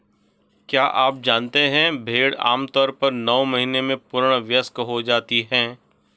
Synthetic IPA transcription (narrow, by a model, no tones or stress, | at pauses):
kjaːʔaːp̚d͡ʒaːnt̪eɦɛ̃bʱeːɽa̰ːmt̪ɔːɾpɐɾnɔːmɐɦinemẽpʊɾɽ̃ʋjəskɦod͡ʒaːt̪iɦɛ̃ː